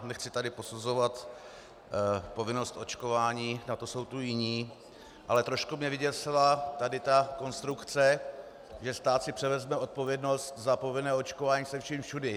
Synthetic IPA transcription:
nɛxt͡sɪt̪adɪpo̞suzo̞vat̪ | po̞vɪno̞st̪ʔo̞t͡ʃko̞vaːɲiːnat̪oso̞wt̪ujɪɲiː | ʔalɛt̪ɾo̞ʃkumɲɛvɪɟɛt̪sɛlat̪adɪt̪ako̞nst̪ɾukt͡sɛ | ʒɛst̪aːt̪sɪpr̝̥ɛvɛzmɛʔo̞t̪̚po̞vjɛdno̞st̪zapo̞vɪnɛːot͡ʃkovaːɲiːsɛfʃimfʃudɛ

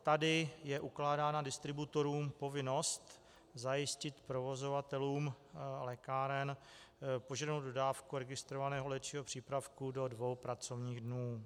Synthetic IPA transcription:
t̪adɪjɛʔuklaːdaːnadɪst̪ɾɪbut̪o̞ɾuːmpo̞vɪno̞st̪ | zajɪscɪt̪pɾovo̞zo̞vat̪ɛluːm | lɛkaːɾɛn | po̞ʒadnowd̪̚dodaːfkuɾɛɡɪst̪ɾovanɛːɦo̞lɛt̪t͡ʃiːɦopr̝̥iːpɾafkudo̞dvo̞wpɾat͡so̞vɲiːɣdnuː

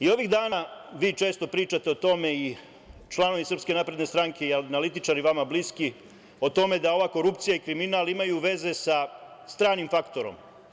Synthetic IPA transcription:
io̞ʋiɣd̪aːnaʋiːt͡ʃe̞ːst̪o̞pɾiːt͡ʃat̪e̞ot̪o̞me̞i | t͡ʃlˠano̞ʋisɾr̩pske̞napɾed̪ne̞st̪ɾaŋke̞ianalit̪it͡ʃaɾiʋamabliski | o̞t̪o̞me̞d̪ao̞ʋaːko̞ɾupt̪sijaikɾiminaːlimajuʋe̞ze̞sast̪ɾaːnimfakt̪o̞ɾo̰m

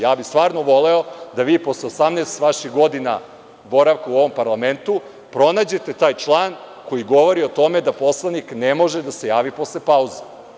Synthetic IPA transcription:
jaːbist̪ʋaːɾnoʋo̞leo̞d̪aʋiːpo̞sleosamneːst̪ʋaʃiɣɡo̞d̪ina̰ | bo̞ɾaʋkauo̞ʋo̞mpaɾlˠament̪u | pɾo̞naːd͡ʑe̞t̪e̞t̪aːjt͡ʃlˠaːn | ko̞jiɡo̞ʋo̞ɾio̞t̪o̞med̪apo̞slˠaniknemo̞ʒed̪ase̞jaːʋipo̞slepauze

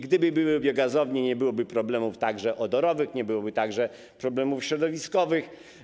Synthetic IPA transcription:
ɡd̪ɘbɘbɘwɪbʲjɔɡazɔvɲɛɲɛbɘwɔbɘpɾɔblɛmuft̪aɡʐɛʔɔd̪ɔɾɔvɘxɲɛbɘwɔbɘt̪aɡʐɛ | pɾɔblɛmufɕɾɔd̪ɔvʲiskɔvɘx

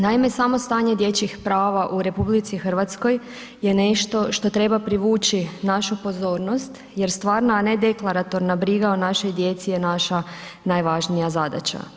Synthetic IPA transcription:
naime̞samo̞st̪aːɲe̞d̪je̞t͡ɕixpɾaːʋaʔuɾe̞publit̪sixr̩ʋat̪sko̞j | je̞ne̞ʃt̪o̞ʃt̪o̞t̪ɾe̞bapɾiʋuːt͡ɕinaʃupo̞zo̞ːɾno̞st̪ | je̞ɾst̪ʋaːɾnaːne̞d̪e̞klˠaɾat̪o̞ɾnabɾiɡaonaʃo̞jd̪je̞t̪sije̞naʃa | najʋaʒnijazad̪a̰t͡ɕa̰

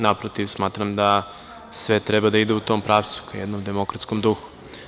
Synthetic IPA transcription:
napɾot̪iʋsmaːt̪ɾamd̪a | sʋet̪ɾebad̪aid̪eut̪oːmpɾaːʋt̪su̥kajed̪nomd̪emo̞kɾat̪skomd̪uxu̥

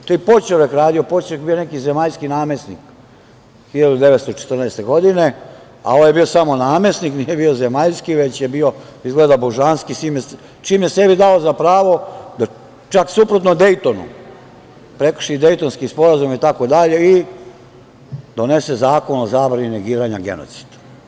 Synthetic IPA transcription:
t̪oipo̞t͡ʃeʋekɾaːd̪ijopo̞t͡ʃeekbijo̞ne̞kize̞maʎskinaːme̞snḭk | xiʎad̪ud̪e̞ʋet̪st̪ot͡ʃe̥t̪ərnɛːst̪e̞ɡo̞d̪ine̞ | a̰o̞ʋojebiosamo̞naːme̞sniknijebio̞zemaʎskiʋe̞t͡ɕjebio̞ | izɡled̪aboʒanskisiːme | t͡ʃiːmjese̞bid̪aozapɾaːʋo̞d̪a | t͡ʃaksupɾot̪nod̪ejt̪onṵ | pɾe̞kr̩ʃid̪e̞jt̪onskispo̞ɾazumit̪ako̞d̪aʎe̞i | d̪o̞ne̞se̞zaːko̞no̞zabɾanineɡiːɾaɲaɡe̞̰no̞̰t̪si̥d̪̥

